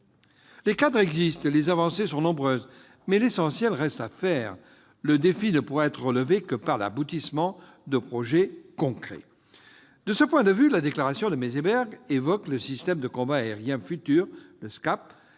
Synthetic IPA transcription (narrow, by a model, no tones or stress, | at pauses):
lekad̪ʁɛɡzist̪lezavɑ̃sesɔ̃nɔ̃bʁøːz | mɛlesɑ̃sjɛlʁɛst̪afɛːʁ | ləd̪efinəpuʁɛɛt̪χəʁələvekəpaʁla̰but̪ismɑ̃ | d̪əpχɔʒɛkɔ̃kχɛ̰ | d̪əsəpwɛ̃d̪əvylad̪eklaʁasjɔ̃d̪əmezebɛʁɡevɔkləsist̪ɛmd̪əkɔ̃baːeʁjɛ̃fyt̪yːʁləskap̚